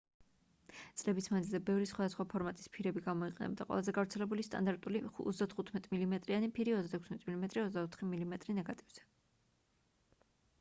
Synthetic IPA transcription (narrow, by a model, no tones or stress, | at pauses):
t̪sʼlɛbismad̪zilzɛbɛvɾisχwad̪asχwapʰɔɾmat̪ʼi̥spʰiɾɛbiɡamɔiqʼɛnɛ̰bd̪a̰qʼwɛ̰lˠazɛɡavɾt̪sʰɛlɛbulist̪ʼa̰nd̪aɾt̪ʼuliṵt̪zd̪at̪ʰχut̪ʰmɛt̪ʼmilimɛt̪ʼɾianipʰiɾiɔt̪zd̪at̪ʰɛkʰsmɛt̪ʼmilimɛt̪ʼɾiɔtzd̪aɔt̪ʰχimilimɛt̪ʼɾinɛɡat̪ʼivz̥ɛ̥